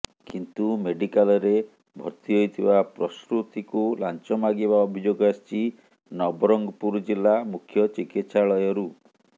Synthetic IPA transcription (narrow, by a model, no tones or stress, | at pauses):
kint̪umeɖikalɔɾe | bʱɔ̰ɾt̪iɦojt̪ʰibapɾɔsɾut̪ikulant͡ʃɔmaɡibaɔbʱid͡ʒoɡɔast͡ʃi | nɔbɔɾɔŋɡɔpuɾd͡ʒilːamukʰjɔt͡ʃikit̪saɭɔjɔɾu